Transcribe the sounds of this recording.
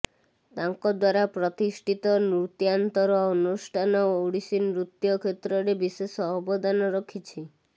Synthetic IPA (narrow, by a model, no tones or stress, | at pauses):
t̪aŋkɔd̪waɾapɾɔt̪isʈʰit̪ɔnɾut̪jant̪ɔɾɔɔnusʈʰanɔoɽisinɾut̪jɔkʰet̪ɾɔɾebisesɔɦɔbɔd̪ʱanɔɾɔkʰit͡ʃʰi